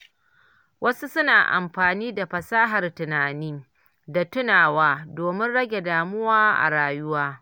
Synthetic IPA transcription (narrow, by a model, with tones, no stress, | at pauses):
wʔɐ˦su˦sʊ˦naː˨ʔa̰˨mɸaː˨niː˦da˨ɸɐ˨saː˦ɦɐ˨rtʊ˨naː˨niː˦ | da˨tʊ˦naː˨waː˦doː˨mɪ˦nɽɐ˦ɡʲe˨daː˨mʊ˦waː˦ʔa̰˨ɽaː˨jʊ˦waː˦